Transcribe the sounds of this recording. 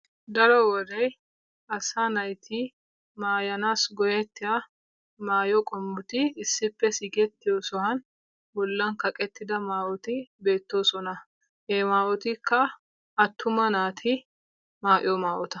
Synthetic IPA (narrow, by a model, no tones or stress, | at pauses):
d̪ɐɾɔwɔrɛj | ɐsanɐjt̪ʰɪ | maːjɐnaːsɡɔjɛt̪ːɪja | maːjɔkʼɔmbʊt̪ɪɪsːɪpːɛsɪɡɛt̪ːɪjɔsɔhɐn | bɔlːɐnkɐkʼɛt̪ːɪd̪ɐmaːʔɔt̪ɪbe̞ːt̪ːo̞ːsɔnɐ | hemaːʔɔt̪ɪkʰːɐ | ɐt̪ːʊmɐnaːt̪ʰɪ | maːʔɪ̰jɔmaːʔɔt̪ɐ̥